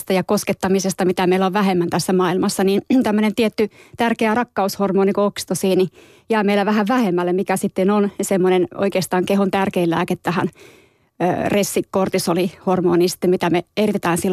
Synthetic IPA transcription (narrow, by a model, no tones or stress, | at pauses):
st̪ɑjɑkosket̪ːɑmisest̪ɑmit̪æmeilæoʋʋæhemːænt̪æsːæmɑːilmɑsːɑniːnt̪æmːønent̪iɛt̪ːyt̪ærkeærɑkːɑushormoːnikuoksi̥t̪osiːni | jæːmeilæʋæhæʋʋæhemːælːemikæsit̪ːenonsemːoneno̰ikeːst̪ɑːŋkehont̪ærkeillæ̰ːket̪t̪ːæhæ̰nː | resːikkort̪isolihormo̰ːninsi̥t̪ːemit̪æmeerit̪et̪æːnsilː